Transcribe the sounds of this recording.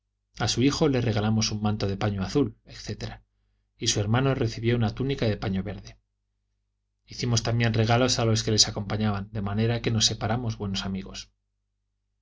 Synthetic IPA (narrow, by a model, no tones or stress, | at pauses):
asuixo̞le̞re̞ɣ̞alamo̞sumːãnt̪o̞ð̞e̞paɲoaθule̞kθe̞t̪e̞ɾa | isue̞ɾmãno̞re̞θiβjo̞unat̪unikaðe̞paɲo̞βe̞ɾðe̞ | iθimo̞st̪ambje̞nre̞ɣ̞alo̞salo̞ske̞le̞sako̞mpaɲaβand̪e̞mane̞ɾake̞no̞sːe̞paɾamo̞zβwe̞no̞samiɣo̞s